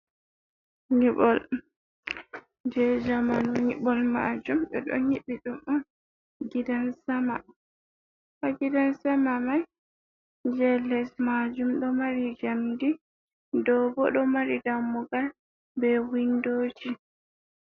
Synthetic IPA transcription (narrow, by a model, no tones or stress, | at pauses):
ɲiɓɔl | d͡ʒɛd͡ʒamanɔɲiɓɔlma̰d͡ʒumɗɛɗɔ̰ɲiɓiɗumʔam | ɡidansama | kaɡidansamamaj | d͡ʒɛlɛsmad͡ʒumɗɔmaɾid͡ʒamdi | dɔbɔɗɔmaɾidamːuɡal | bɛwindoːd͡ʒi